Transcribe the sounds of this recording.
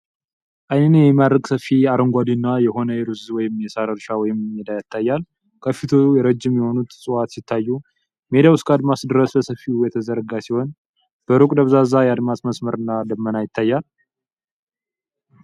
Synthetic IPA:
ʔajnənjɛmad̪ɾəɡsəfːiaɾəŋɡʷad̪inːajɛho̞nəjɛɾuzwɔjɪmjɛsaɾəɾʃawɔjɪmjɛd̪ajat̪ʰːajːal | kʰəfːit̪ʰojɛɾəd͡ʒːɪmːiho̞nut̪sʼɨwat̪sɪt̪ʰːajːu | me̞d̪awskʰad̪masd̪ɨɾəsbəsəfːiujɛt̪ʰəzəɾɡasiho̞n | b̥əɾukʼd̪əβzazajɛad̪mat̪məsməɾɨnːad̪əmːənajɪt̪ʰːajːal

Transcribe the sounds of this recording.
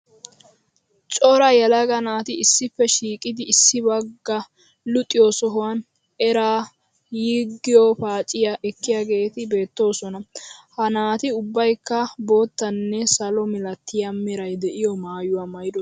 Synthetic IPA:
t͡ʃʼɔɾɐjɐlɐɡɐnaːt̪ɪɪsːɪpːɛʃiːkʼɪd̪ɪːsːɪbɐɡːɐ | lʊt̪ʼːɪjɔsɔɦʊwɐn | ɛɾaː | jiːɡːɪjɔpaːt͡ʃʼɪjaʔɛkːɪjaːɡe̞ːt̪ɪbe̞ːt̪ːo̞ːsɔnɐhɐnaːt̪ɪʊbːɐjkːɐbo̞ːt̪ːɐnːɛsɐlɔmɪlɐt̪ːɪjɐmːɪɾɐjd̪ɛʔɪjɔmaːjʊwaːmɐjd̪ɔ

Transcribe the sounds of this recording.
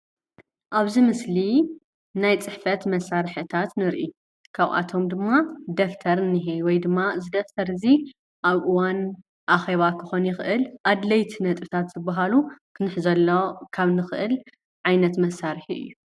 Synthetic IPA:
ʔaβzimɨsli | najt͡sʼɨħfɐt̪mɐsːaɾħɨɨt̪ʰat̪nɨɾʔi | kʰaβʔa̰t̪ʰo̞md̪ɨmːad̪ɐft̪ʰɐɾɨnːɨɦejwɔjd̪ɨmːazɨd̪ɐft̪ʰɐɾɨzi | ʔaβʔɨwan | ʔaxeβakʰɨ̥xo̞njɪxʔɨlʔad̪lɐjt̪ʰinɐt̪ʼɨt̪ʰat̪z̥ɨbːaɦalukʰɨnɨħzɐlːokʰaβnɨxʔɨl | ʕajnɐt̪mɐsaɾħiʔɨ̰jːu

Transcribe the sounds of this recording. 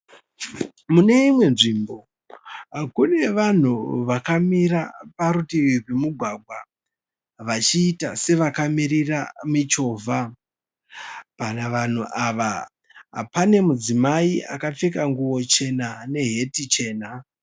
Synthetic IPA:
mune̞imwe̞nʐimbo̞ | akune̞ʋan̤uʋakamiɾapaɾutiipemuɡʱwaɡʱwa | ʋat͡ʃiːtase̞ʋakamiɾiramit͡ʃo̞vʱa | panaʋan̤uʔaʋa | ɦa̰pane̞mud͡zimaiʔa̰kap͡fekaŋɡuwo̞t͡ʃe̞nane̞ɦe̞tit͡ʃe̞ːna

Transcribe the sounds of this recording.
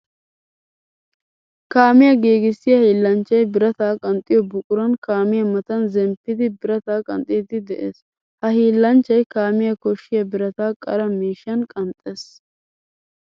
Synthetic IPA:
kaːmɪjɐɡeːɡɪsːɪjɐhiːlːɐnt͡ʃːɐjbɪɾɐt̪aːkʼɐnt̪ʼɪjɔbʊkʼʊɾɐnkaːmɪjɐmɐt̪ɐnzɛmpːɪd̪ɪbɪɾɐt̪aːkʼɐ̰nt̪ʼɪd̪ɪd̪ɛʔeːs | hɐhiːlːɐnt͡ʃːɐjkaːmɪjɐkɔʃːɪjɐbɪɾɐt̪aːkʼɐ̰ɾɐmiːʃɐnkʼɐnt̪ʼeːs

